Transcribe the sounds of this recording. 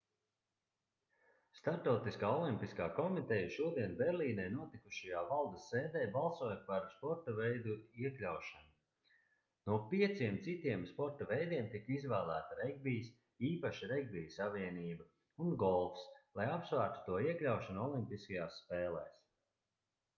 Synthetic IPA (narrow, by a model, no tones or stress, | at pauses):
st̪aɾpt̪ɔwt̪iskaːɔlˠimpiskaːkɔmit̪ɛjaʃuɔd̪iɛnbɛɾliːnɛːnuɔt̪ikuʃajaːvalˠd̪ɐseːd̪ɛːbalˠsuɔːjpaɾspɔɾt̪ɐvɛjd̪uiɛklʲawʃanu | nuɔpiɛt̪siɛmt̪sit̪iɛmspɔɾt̪avɛjd̪iɛmt̪ikizvæːlˠæːt̪aɾɛɡbijs | iːpaʃiɾeɡbijsaviɛniːba | unɡɔlˠfslˠajapsvæːɾt̪u̥t̪uɔiɛklʲawʃanuɔlˠimpiskajaːsspɛːlˠɛːs